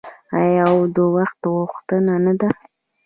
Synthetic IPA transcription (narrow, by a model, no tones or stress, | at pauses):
ajɑwd̪əwaxt̪ɣʊxt̪ənanad̪a